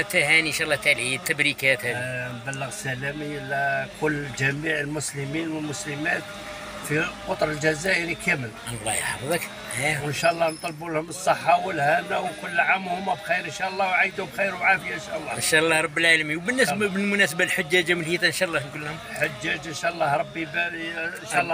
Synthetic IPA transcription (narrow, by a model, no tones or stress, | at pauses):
t̪æhæninʃæʔlːɑt̪æliit̪ːəbɾikæt̪hæd̪mbælːəɣsælæmiəlːækʰʊlːd͡ʒæmiʕəlmʊsləminwəlmʊsləmæt̪ | fiqot̪ˤɾəld͡ʒæzæʔəɾikæmələlˤːɑ̰j̰ħɑ̰fðˤɑk | ʔæwənʃæʔlˤːɑhnt̪ˤɑlbulhʊmsˤːəħːawəlhænæwkʊlːʕamːhʊmːæbxijɾənʃæʔlˤːɑwʕajd̪hʊmbxijɾwʕafəjaənʃaʔlˤːɑənʃæʔlˤːɑhɾˤɑbːilʕalæmiwbənːæsbəmʊnæsəbalħʊd͡ʒːæd͡ʒæməlhit̪ænʃɑʔlˤːɑfinkʊlːhʊmlħʊd͡ʒːæd͡ʒənʃæʔlˤːɑhɾˤɑbːibænʃælːɑ